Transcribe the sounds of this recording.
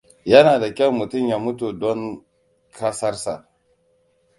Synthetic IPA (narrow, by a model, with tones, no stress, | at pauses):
jɐ˦naː˨da˨kʲɛ˦wmu˨tʊ˦mja˨mu˦tu˨dɔ˦ŋ | kʰa˦sa˦ɾsa˨